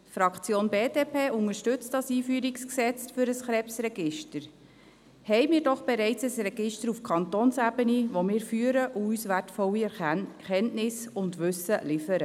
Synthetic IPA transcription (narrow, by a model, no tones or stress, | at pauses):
fɾɑkt͡sjoːnbeːdeːpʰeːʔʊnəʃtʏt͡std̥ɑsiːfyːɾiksksɛt͡sfʏɾəsχɾɛpsɾɛɡɪʃtəɾ | hɛɪmɪːɾdɔχb̥ɛɾɛɪt͡səsrɛɡ̥ɪʃtəɾufkʰɑnt̪oːnsæbəniʋomɪːɾfyːəɾəʔuysʋætfɔlːiɛkɛntnɪsʊndʋʉsəlɪfəɾə